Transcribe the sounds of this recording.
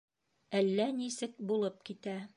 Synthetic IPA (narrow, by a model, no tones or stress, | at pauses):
ælːænisɘk̚bulˠɤp̚kit̪æ